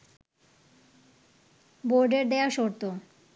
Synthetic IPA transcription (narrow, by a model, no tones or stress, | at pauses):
boɾɖeɾd̪eaʃoɾt̪o